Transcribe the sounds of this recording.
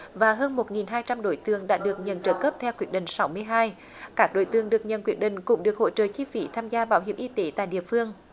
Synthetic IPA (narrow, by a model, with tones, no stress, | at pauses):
vaː˨˩ɦəː˧nmo˨˩t̚ŋi˨˩nɦaː˧jt͡ɕa˧mɗo˧˦jt̪ɨ˧˩əŋɗa̰ː˧˥ɗɨ˨˩ək̚ɲə̰˨nt͡ɕəː˧˩kəː˦˥p̚t̪ʰɛ˧wkwi˨˩ət̚ɗï˨˩ŋ̟sa˨˦wmɨ˧əjɦaː˧j | kaː˦˥k̚ɗo̰˧˥˦jt̪ɨ˧˩əŋɗɨ˨˩ək̚ɲə̰˧˨˩nkwi˧˩ət̚ɗï˨˩ŋ̟kʊ̰˧˥ŋ͡mɗɨ˨˩ək̚ho̰˧˥t͡ɕə̰ː˧˨˩t͡ɕi˧fḭ˧˨˦t̪ʰaː˧mzaː˧ɓaː˨˦wɦi˧˩əmʔi˧t̪e˨˦t̪a̰ː˧˨jɗḭ˧˨əfɨ˧əŋ